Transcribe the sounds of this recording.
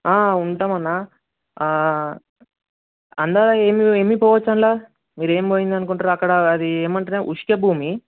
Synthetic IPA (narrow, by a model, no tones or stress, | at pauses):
aːuɳʈaːmɐnːa | ɐnd̪aːɾae̞ːmie̞ːmipɔːʋɐt͡ʃːɐɳlaː | miːɾe̞ːmboːjind̪ɐnukuɳʈaːɾuɐkːɐɽɐːd̪ieːmɐɳʈɐnaʔuʂkɐbʱuːmi